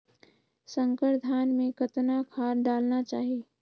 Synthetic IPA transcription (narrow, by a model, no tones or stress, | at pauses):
sə̃ŋkəɾd̪ʱaːnmẽkət̪nakʰaːɾɖaːlnat͡ʃaːɦieː